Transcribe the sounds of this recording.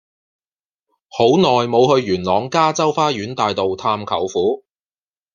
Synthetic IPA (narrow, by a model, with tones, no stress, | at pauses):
ho˨˥wnɔː˨jmo˨˧whɵ˧ɥɥyː˨˩nlɔː˨˧ŋkaː˥t͡sɐ˥wfaː˥jyː˨˥nt̪aː˨jt̪o˨wt̪ʰaː˧mkʰɐ˨˩wfuː˨˥